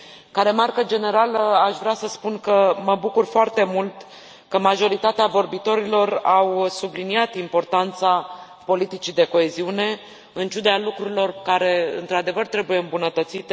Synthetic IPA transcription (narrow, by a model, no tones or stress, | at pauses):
kaɾe̞markəd͡ʒe̞ne̞ɾaləaʃvɾeasəspunkəməbukurfoart̪e̞mult̪ | kəmaʒo̞ɾit̪at̪eavo̞rbit̪o̞ɾilo̞rawsubliniat̪impo̞rt̪ant̪sa | po̞lit̪it͡ʃid̪e̞ko̞e̞ziune̞ | ɨnt͡ʃud̪ealukɾuɾilo̞rkaɾe̞ɨ̰nt̪ɾad̪e̞vərt̪ɾe̞buje̞ɨmbunət̪ət̪sit̪e